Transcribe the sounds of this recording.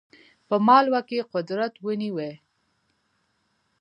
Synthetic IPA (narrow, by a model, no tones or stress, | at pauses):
pəmɑlwakeqʊd̪ɾat̪wəniwe